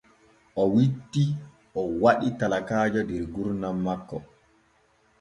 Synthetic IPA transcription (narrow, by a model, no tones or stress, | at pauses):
ʔɔwitːi | ʔɔwaɗitalakaːd͡ʒɔdɛɾɡuɾnamːakːɔ